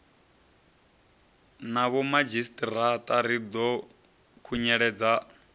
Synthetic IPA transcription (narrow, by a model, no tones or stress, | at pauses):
naβɔmad͡ʒistʼirat̪ʼaɾid̪ɔ | kʰuɲɛɺɛd͡za